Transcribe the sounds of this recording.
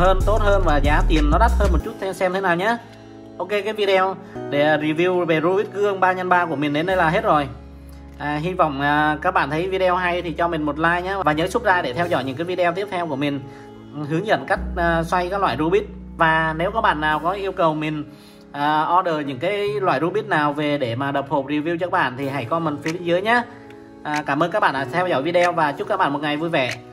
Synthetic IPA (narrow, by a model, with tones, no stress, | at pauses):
həː˧nt̪o˦˥t̚həː˧nvaː˨˩zaː˨˦t̪i˨˩ənːɔ˨˦ɗa˦˥t̚həː˧nmo˨˩t̚t͡ɕu˦˥t̚t̪ʰsɛ˧mt̪ʰe˨˦naː˨˩wɲaː˨˦ | ʔo˧wke˧kaː˨˦jvi˧ɗe˧w | ɗe˧˩ɾi˧˩vi˧wve˨˩zu˧ɓi˦˥t̚kɨ˧ə˧ŋɓaː˧ɲə˧nɓaː˧ku˧˩əmï˨˩ŋ̟ɗe˨˦nːə˧jlaː˨˩ɦe˦˥t̚zo˨˩j | ʔːɦi˧va̰˧˨wŋ͡mːkaː˦˥k̚ɓa̰ː˧˨nt̪ʰə˨˦jvi˧ɗe˧ɔ˧wɦa˧jt̪ʰi˨˩t͡ɕɔ˧mï˨˩ŋ̟mo˨˩t̚laː˧jɲaː˨˦vaː˨˩ɲəː˨˦jsʊ˦˥t̚zaː˧ɗe˧˩t̪ʰɛ˧wzɔ̰˧˨jɲɨ̰˧˥ŋkaː˨˦jvi˧ɗe˧wt̪i˦˥əp̚t̪ʰɛ˧wku˧˩əmï˨˩ŋ̟ | ɦɨ˨˦ŋzə̰˧˨nka˦˥jk̟̚ʔːswa˧jkaː˦˥k̚lwa̰ː˧˨zu˧ɓi˦˥ət̚ | vaː˨˩ne˨˦wkɔ˨˦ɓa̰ː˧˨nːaː˨˩wkɔ˨˦ʔi˧əwkə˨˩wmï˨˩ŋ̟ | ʔəː˨˩ʔɔ˧ɗəː˨˩ɲɨ̰˧˥ŋkaː˨˦jlwa̰ː˧˨jzu˧ɓi˦˥t̚naː˨˩wve˨˩ɗe˧˩maː˨˩ɗə˨˩p̚ho˨˩p̚ɗi˨˩əwvi˧wt͡ɕɔ˧kaː˧˦˥ɓa̰ː˧˨nt̪ʰi˨˩ɦa˧˩jkɔ˧nmə˨˩nfɓi˨˧˦zɨ˨˦jɲaː˨˦ | ʔːkaː˧˩mə˧nkaː˦˥k̚ɓa̰ː˧˨˩t̪ʰɛ˧wzɔ̰˧˨jvi˧ɗɛ˧wvaː˨˩t͡ɕʊ˦˥t̚kːaː˦˥k̚ɓaː˧˨mo˨˩t̚ŋa˨˩jvu˧jvɛ̰˧˨